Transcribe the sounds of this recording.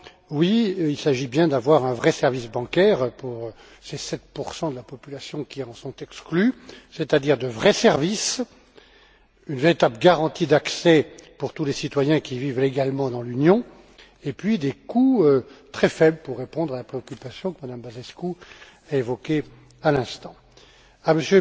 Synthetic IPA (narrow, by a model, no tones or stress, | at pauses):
wiilsaʒibjɛ̃d̪avwaʁɛ̃vʁɛsɛʁvisbɑ̃kʲɛʁpuʁ | sesɛt̪̚puʁsɑ̃d̪əlapɔpylasjɔ̃kʲiɑ̃sɔ̃t̪ɛksklyset̪ad̪iʁd̪əvʁɛsɛʁvis | ynveʁit̪abləɡaʁɑ̃t̪id̪aksɛpuʁt̪ulesit̪wajɛ̃kʲivivleɡalmɑ̃d̪ɑ̃lynjɔ̃ | epɥid̪ekuøt̪χɛfɛbləpuʁːepɔ̃d̪ʁalapχeɔkʲypasjɔ̃kəmad̪ambazɛsku | aevɔkʲe | alɛ̃st̪ɑ̃ | aməsjø